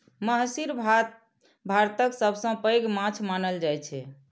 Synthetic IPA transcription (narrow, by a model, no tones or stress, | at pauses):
məɦsiɾbʱ | bʱaɾt̪əksəbʱsə̃pəjɡmãt͡ʃʰmanəld͡ʒajt͡ʃʰɛ